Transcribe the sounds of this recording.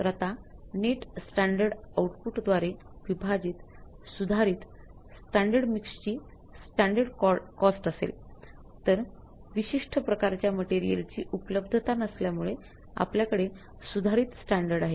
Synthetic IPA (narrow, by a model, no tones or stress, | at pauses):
ɾət̪aneʈsʈæɳɖəɾɖauʈpuʈd̪ʋaɾe | ʋibʱad͡ʑiːt̪ | sud̪ʱaɾiːt̪ | sʈæɳɖəɽmikst͡ɕiː | sʈæɳɖəɾɽkɔsʈəsḛlt̪əɾ | ʋiɕiʂʈʰəpɾəkaɾt͡ɕjaməʈeɾijə̰lt͡ɕḭːʔupələbd̪ʱət̪anəsljamuɭe | a̰pljakəɽe | sud̪ʱaɾiːt̪sʈæɳɖəɾɽaɦe